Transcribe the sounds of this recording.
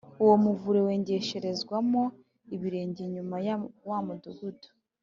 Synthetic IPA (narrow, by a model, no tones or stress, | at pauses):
uwo̞muvuɾewe̞ːɲɟe̞ʃe̞ɾe̞zɡwamo | iβiɾe̞ːɲɟeɲumajwamuduɡudu̥